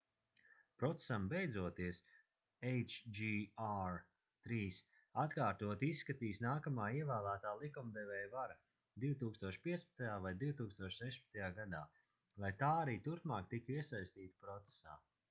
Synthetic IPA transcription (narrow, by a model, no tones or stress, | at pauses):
pɾɔt̪se̥sambejd̪zuɔt̪iɛs | ejt͡ʃd͡ʒiaɾ | t̪ɾiːs | at̪kaːɾt̪uɔt̪isːkat̪iːsnaːkamaːiɛvæːlˠæːt̪aːlˠikumd̪ɛvʲɛːjvaɾa | d̪iwt̪uːkst̪uɔʃpiɛspḁt̪ajaːvajd̪iwt̪uːkst̪uɔʃsɛʃpḁt̪ajaːɡad̪aː | lˠajt̪aːaɾiːt̪uɾpmaːkt̪ikiɛsajst̪iːt̪pɾɔt̪se̥sa̰ː